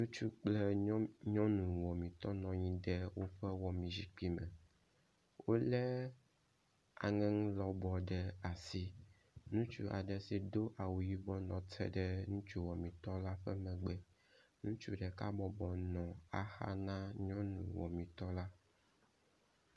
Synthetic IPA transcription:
nũ˦t͡ʃu˦k͡plɛ˦ɲɔ̃˦nũ˨wɔ˨mĩ˨t̪ɔ˦nɔ̃˨ɲĩ˦ɖɛ˦wo˦ɸɛ˦wɔ˨mĩ˨zi˨k͡pi˦mɛ̃˨ | wo˦lɛ˦ | a̰˨ŋɛ̃˦ŋũ˦lɔ˨bɔ˨ɖɛ˨a˨si˦ | nũ˦t͡ʃṵ˦ʔa̰˨ɖɛ˨si˨d̪o˦ʔa˨wu˨ji˦bɔ˦nɔ̃˨t̪ʰɛ̰˦ɖɛ˦nũ˦t͡ʃu˦wɔ˨mĩ˨t̪ɔ˦la˦ɸɛ˦mɛ̃˨ɡ͡bɛ˦ | nũ˦t͡ʃu˦ɖɛ˨ka̰˦bɔ˨bɔ˨nɔ̃˨a̰˨xa̰˦nã˦ɲɔ̃˦nṵ̃˨wɔ̰˨mĩ˨t̪ɔ˦la˦

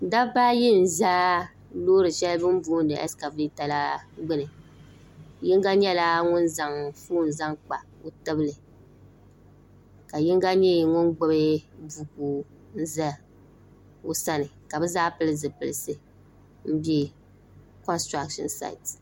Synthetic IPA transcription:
da˦baː˦jɛ˦n̩˨zaː˦ | loː˦ɾɨ˨ʃɛ˦lɨ˦bɨ˦m˦buː˦ndɨ̰˨ʔɛ̰˦ska˨vi˦ta˨la˦ɡ͡bɨ˦nɨ˨ | jɪ˦ŋ˦ɡa˦ɲɛ˦la˦ŋʊ˦nza˨ŋfuː˦˨n̩˨za˦ŋk͡pa̰˨o˦tɨ˦bɨ˦lɨ˨ | ka˨jɪ˦ŋ˦ɡa˦ɲɛ˦˨ŋʊ˦nɡ͡bʊ˦be˦bu˨kuː˨ | n̩˦za˦ | o˦sa˦nɨ˨ka˨bɨ˦zaː˦pɨ˦lɨ˦zɨ˨pɨ˨lɨ˨sɨ˨ | m̩˦bɛ˦ | kɔ˦nstɾa˦kʃɔ̰˦nsa̰˨ɪ˨t

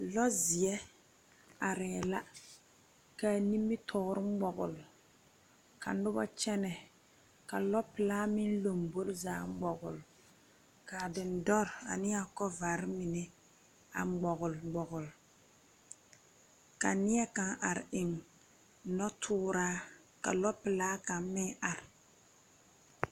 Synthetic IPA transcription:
lɔ˦zɪ˨ɛ˦ | a˨ɾɛː˨la˦ | ka˨ni˦mːi˦tʰɔ˨˦ɾɪ˦ɡ͡bɔ˨ɣʊ̰˨l | ka˨˦ʊ˦bɔ̰˦t͡ʃɛ˦nɛ˨ | ka˨lɔ˦pɪ˨laː˦mɪ˦nlo˨mbo˦ɾzaː˦ɡ͡bɔ˨ɣʊ̰˨l | ka˨dɪ˨n̩˦dɔ˦ɾa̰˨nɪ˦a˦kɔ˦va˨ɾɪ˦mi˨nɛ˦ | a̰˨˦ɡ͡bɔ˨ɣʊ˨lɡ͡bɔ˨ɣʊ˨l | ka˨nɪ˦ɛ˦ka˨ŋʔa˨ɾɪ˨ŋ˦ | nɔ˦tʰʊː˦ɾaː˦ | ka̰˨lɔ˦pɪ˨laː˦ka˨m˦mɪ˦ŋa˨ɾɪ˨

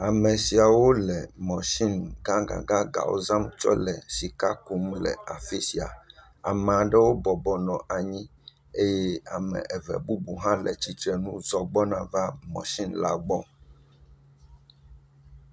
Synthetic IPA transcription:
a˨mɛ̃˨si˨a˨wo˦lɛ˨mɔ̃˨ʃi˦nɡã˦ɡã̰˨ɡã˦ɡa̰˨wo̰˦zã˦mt͡ʃɔ̰˦lɛ˨si˨ka˦ku˨mlɛ̰˨a˨fi˦si˨a̰˨ | a̰˨mɛ̃˨a˨ɖɛ˦wo˦bɔ˨bɔ˨nɔ̃˨ʔa˨ɲĩ˦ | e˦jɛ˦a˨mɛ̰̃˨ʔɛ˨vɛ̰˨bu˦bu˨ɦã˦lɛ˨t͡ɕi˦t̪ɾɛ˨nũ˦zɔ˨ɡ͡bɔ˦nã˨va˦mɔ̰̃˨ʃi˦nla̰˦ɡ͡bɔ̃˦

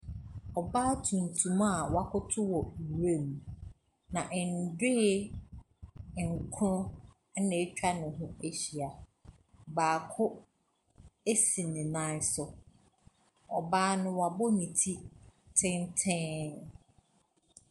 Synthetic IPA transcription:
ɔ˨baː˦tʰũ˨n̩˨tʰũ˨ma˦a˨wa˦kʊ˦tʰʊ˦wɔ˨ɾe˦˨m˨ | nã˨ʔn̩˨dɪ˦˨ | ŋ̩˨kʰʊ˦ɾʊ̃˦ | nẽ˨˦t͡ɕᶣa˦nʊ̃˨ɦʊ̃˦e˦ɕi˨a˨ | baː˨kʰʊ˦ | e˦si˨nɪ̃˨nã˦sɔ˦ | ɔ˨baː˦nʊ̃˨wa˨bɔ˦nĩ˨tʰi˦tʰɪ̃˦ntʰɪ̃˦

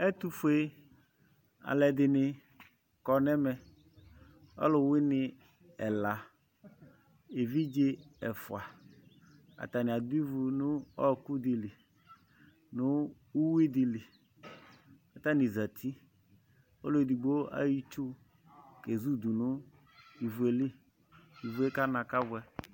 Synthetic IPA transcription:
ɛ˦t̪u˦fʊ˨˦e˦ | a̰˨lɛ˨d̪ɪ˨nɪ˨ | kɔ˨nɛ˦mɛ˨ | ɔ̰˦lʊ˨wɪ˦nɪ˨ | ɛ˨la˨ | e˨vi˦d͡ʒe˦ɛ˨fʊ˨a˨ | a̰˨t̪a˨nɪ̃˨a˨d̪ʊ˦i˦vu˨nʊ̃˦ɔ˦kʊ˦d̪ɪ˨lɪ˨ | nʊ˦ | u˦wi˦dɪ˨li˨ | a˨t̪a˦ni˨za˨t̪ʰi˦ | ɔ̰˦lo˦˨di˨ɡ͡bo˦a̰˦ji˦t͡ʃu˦ | ke˨zu˦du˨nʊ˦ | i˨vu˨e˨li˦ | i˨vu˨e˦ka˦nã˨ka˦vʊ˨˦ɛ˦

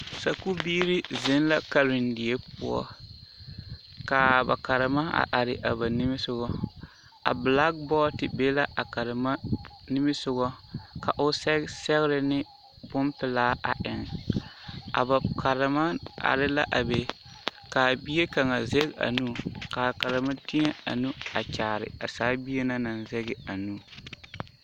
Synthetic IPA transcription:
sa˨ku˦biː˦ɾɪ˦zɪ˦n˦la˦ka˨ɾɪ˨ndi˨e˦pu˦ɔ̰˦ | ka˨ba̰˨ka˨ɾɪ˨ma˦a̰˨ʔa˨ɾɪ˨ʔa˨ba˨nɪ˦mɪ˦sʊ˦ɣɔ˦ | a̰˨bla˦ɡ̚bɔ˦tɪ˨be˦la˦ʔa˨ka˨ɾɪ˨ma˦nɪ˦mɪ˦sʊ˦ɡɔ˦ka˨ʔʊ˦sɛ˦sɛ˦ɣɾɪ˦nɪ˦ | bʊ˦mpɪ˦laː˦ʔa˨ʔɪ˨ŋ | a̰˨ba˨kʰa˨ɾɪ˨ma˦a̰˨ɾɪ˦la˦ʔa˨be˨ | kaː˨bi˦e˦ka˨ŋa˨ze˦ɡa̰˨nuː˦ka˨ka˨ɾɪ˨ma˦ti˦ɲɛ˦a̰˨nu˦a˨t͡ʃaː˨ɾɪ̰˨a˨saː˨˦bi˦e˦na˦na˨nzɛ˦ɡɪ˨a˨nuː˦

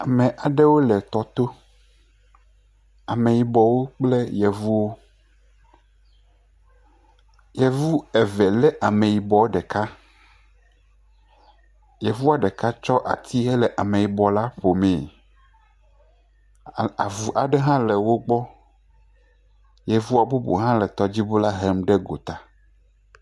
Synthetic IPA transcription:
a˨mɛ̃˨ʔa˨ɖɛ˦wo˦lɛ˨t̪ɔ˨t̪o˦ | a˨mẽ˨ji˨bɔ˨wo˦k͡plɛ˦jɛ˨vu˦wo˦ | jɛ˨vu˦ɛ˨vɛ˨lɛ˦ʔa˨mẽ˨ji˨bɔ˨˦ɖɛ˨ka˦ | jɛ˨vu˦a˨ɖɛ˨ka˦t͡ʃɔ˦ʔa̰˨t̪ʰi˦ɦɛ˦lɛ˨ʔa˨mẽ˨ji˨bɔ˨la˦ɸo˨mɛ̃˨ | a˨vu˨ʔa˨ɖɛ˦ɦã˦lɛ˨wo˦ɡ͡bɔ˦ | jɛ˨vu˦a˨bu˦bo̰˨ɦã˦lɛ˨t̪ɔ˨d͡ʑi˦bo˦la˦ɦɛ˦mɖɛ˦ɡo˨t̪a˨

